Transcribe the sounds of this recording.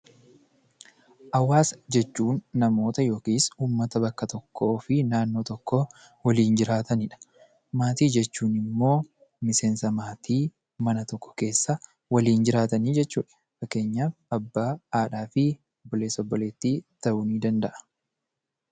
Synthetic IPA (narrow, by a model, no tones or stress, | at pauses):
ʔɐwːaːsd͡ʒɛt͡ʃːuːnːɐmo̞ːt̪ɐjo̞ːkiːsuːmːɐt̪ɐbɐkːɐt̪ɔkʰːo̞ːfɪnaːnːo̞ːt̪ɔkːo | wɐliːnd͡ʒɪɾaːt̪ɐnɪᶑɐ̥ | maːt̪iːd͡ʒɛt͡ʃːuːnɪmːo̞ː | mɪseːnsɐmaːt̪iː | mɐnɐt̪ɔkːɔ̥ke̞ːsːɐ | wɐliːnd͡ʒɪɾaːt̪ɐniːd͡ʒɛt͡ʃːuːᶑɐ̥ | fɐkːe̞ːɲːaːfɐbːaːaːᶑaːfɪ | bːɔleːsɔbːɔle̞ːt̪ːiːt̪ɐʔʊniːd̪ɐnd̪ɐʔɐ̥